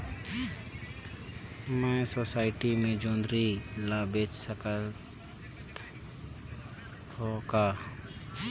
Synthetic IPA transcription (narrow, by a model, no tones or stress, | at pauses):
mɛ̃ːsoːsaːɪʈimẽd͡ʒõːnd̪ɾilaːbeːt͡ʃsəkə | t̪ | ɦoːkaː